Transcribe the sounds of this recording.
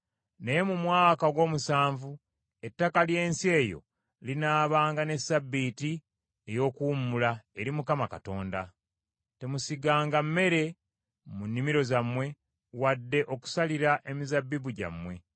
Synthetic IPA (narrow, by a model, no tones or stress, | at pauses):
ne̞jemumwaːkaɡwo̞ːmusaːɱvu | e̞tːakalje̞ːnsie̞ːjo̞̰ | linaːβaːŋɡane̞sabːiːti | e̞jo̞ːkuːmulaeɾimukamakato̞ːnda | te̞musiɡaːŋɡamːe̞ɾe̞ | munːimiɾo̞zamwe̞ | wadːe̞ʔo̞ku̥saliɾaʔe̞mizabːibuɟa̰mwe̞